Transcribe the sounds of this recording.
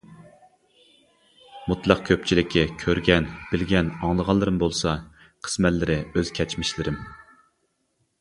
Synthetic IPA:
mut̪lˠɑq̚kʲʰøp̚t͡ʃʰilɪkʲːɛkʲʰøɾɡʲɛnb̥ɪlɡʲɛnɑŋlˠəʁɑlˠːɨɾɨmbolˠsɑ | qʰə̥smɛt̪lɪɾɪøz̥kʲʰɛt͡ʃmɪʃlɪɾɪm

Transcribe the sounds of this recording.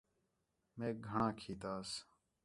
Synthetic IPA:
mẽːɡʱəɳãːkʰiːt̪aːs

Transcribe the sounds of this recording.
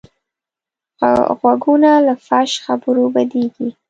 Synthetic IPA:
ɣwaɡunalafaʃxabəɾobad̪eɡi

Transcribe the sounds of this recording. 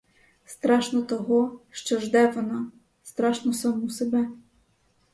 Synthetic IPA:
st̪ɾɑʃnɔt̪ɔɦɔʃt͡ʃɔʒd̪ɛʋɔnɑ | st̪ɾɑʃnɔsɑmusebɛ

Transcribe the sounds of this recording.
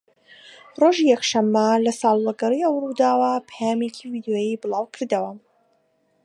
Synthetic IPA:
roʒijɛkʃɐmːɐlɐsɑlˠlˠɐɡɐɾiʔɐwrud̪aːwɐpʰjaːmekʰivid̪joːjibɨlˠɑːwkʰɨɾd̪ɐwɐ

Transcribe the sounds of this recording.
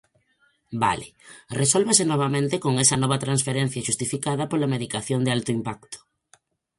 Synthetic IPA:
ba̰lɪresolβesɪnɔβ̞amẽnt̪ɪkoŋɛsɐnɔβɐt̪ɾansfeɾen̟θjɐʃust̪ifikaðɐpolɐmeðikaθjond̪ɪalt̪oimpakt̪ʊ̥

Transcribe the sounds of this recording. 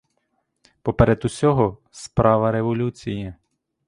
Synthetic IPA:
pɔpeɾɛd̪ʊsʲɔɦɔ | spɾɑʋɐɾeʋɔlʲut͡sʲijɐ

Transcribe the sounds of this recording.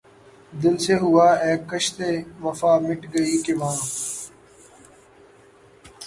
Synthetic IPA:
d̪ɪlseːɦʊaːɛːkːəʃt̪eːʋəfaːmɪʈɡəiːkeʋãː

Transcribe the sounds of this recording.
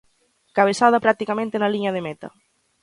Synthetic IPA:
kaβ̞esað̞ɐpɾak̚t̪ikamẽnt̪enɐliɲɐð̞emet̪ɐ̰

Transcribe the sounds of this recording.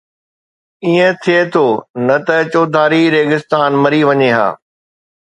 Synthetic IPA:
iːə̃t̪ʰiet̪ʰoːnɐt̪ɐt͡ɕoːd̪ʱaːɾiɾeːɡɪst̪aːnmɐɾiʋɐɲeɦa̰ː

